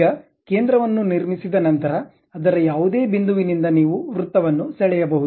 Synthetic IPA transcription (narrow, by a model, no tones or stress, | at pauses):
ɐ | ke̞ːnd̪ɾɐʋɐnːuniɾmisid̪ɐnɐnt̪ɐɾɐː | d̪ɐɾɐjaːʋud̪e̞ːbind̪uʋinind̪ɐniːʋuɾut̪ːɐʋɐnːusɛɭɛjɐbɐɦu